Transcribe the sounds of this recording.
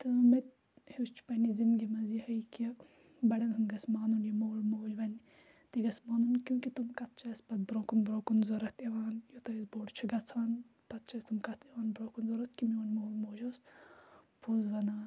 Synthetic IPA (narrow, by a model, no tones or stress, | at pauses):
t̪ɨmet̪ | hust͡ʃʰpɐnizimɡʲimɐzihɐjki | bɐɽɐnɦɨnɡɐsmaːnunjimoːlmoːd͡ʒʋɐnʲ | t̪iɡɐsmɐnunkʲjũkit̪umkɐt̪̚t͡ʃʰɐspɐt̪̚bɾoːkunbɾoːkunzoɾɐt̪ʰeʋaːnjot̪ɐisboːɽt͡ʃʰiɡɐt͡sʰaːn | pɐt̪̚t͡ʃʰɐst̪umkɐt̪ʰeʋaːnbɾoːkunzoɾɐt̪̚kimionʲmolmoːd͡ʒos | pʰozʋɐnaː